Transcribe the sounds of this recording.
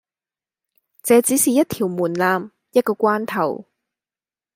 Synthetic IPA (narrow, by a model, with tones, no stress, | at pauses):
t͡sɛː˨˧t͡siː˨˥siː˨jɐ˥t̚t̪ʰiː˨˩wmuː˨˩nlaː˧m | jɐ˥t̚kɔː˧kʷaː˥nt̪ʰɐ˨˩w